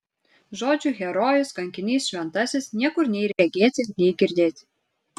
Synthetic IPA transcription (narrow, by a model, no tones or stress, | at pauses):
ʒoːd͡ʒʲuɣʲɛɾɔjʊskɐŋʲkʲɪnʲiːsʃʲʋʲɛnt̪ɑsʲɪsnʲiɛkʊɾnʲɛjɾʲɛɡʲeːt͡s̪ʲenʲɛjɡʲiɾʲd̪ʲeːt̪ʲ